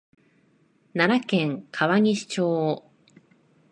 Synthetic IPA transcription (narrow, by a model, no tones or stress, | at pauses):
naɾakẽ̞ŋkʰaβaɲ̟iɕi̥t͡ɕoː